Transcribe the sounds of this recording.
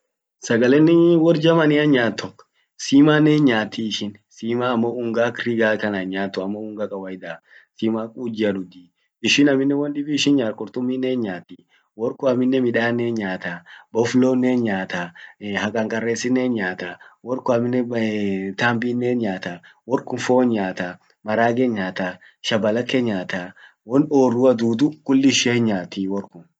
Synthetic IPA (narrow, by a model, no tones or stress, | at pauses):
sɐɡɐlɛnːɪwɔɾd͡ʒɐmɐnɪɐnɲaːt̪ːɔ | siːmaːnːeːnɲaːt̪ːiɪʃɪn | siːmaːɐmːoʊŋɡaːkɾiɡaːkɐnɐɲaːt̪ːɔɐmːoʊŋɡakʼɐwɐjd̪a | siːmaːkʼuːd͡ʒɪɐd̪ʊd̪iː | ɪʃɪnɐmɪnːɛwɐnd̪ɪbiːʃɪnɲaːɾkʼɔɾt̪ʊmːiːnːeːnɲaːt̪ːi | wɔɾkɔɐmɪnːɛmɪᶑaːnːeːnɲaːt̪abɔfloːnːeːnɲaːt̪ahɐkʼɐŋkʼɐrːeːsɪnːeːnɲaːt̪awɔɾkʊɐmɪnːɛ | t̪aːmbinːeːnɲaːt̪a | wɔɾkʊnfoːnɲaːt̪a | mɐɾaːɡɛnɲaːt̪a | ʃɐbɐlɐkːeɲaːt̪a | wɔnoːrːʊɐd̪uːd̪ʊkʼʊlːɪʃehɲɲaːt̪ːiwɔɾkʊn